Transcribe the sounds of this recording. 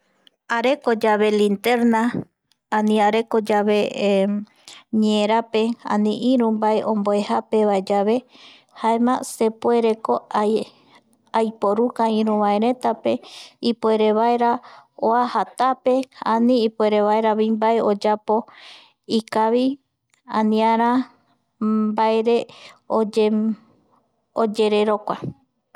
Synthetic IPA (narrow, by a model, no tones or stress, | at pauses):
aɾekod͡ʒaβe̞lĩnt̪eɾna | ãnĩaɾekod͡ʒaβe̞ | ɲeẽɾape̞ã̰nĩʔĩɾũmbaeʔõ̞mboehape̞βaed͡ʒaβe̞ | haemãse̞pwe̞ɾe̞ko̞ | ajpoɾukaĩɾũβaeɾẽ̞t̪ape̞ipoeɾeβaeɾaoahat̪ape̞anĩipoeɾeβaeɾaβimbaeod͡ʒapo̞ | ikaβi | ãnĩãɾ̃ã | baeɾe̞od͡ʒ | od͡ʒe̞ɾeɾo̞kʷa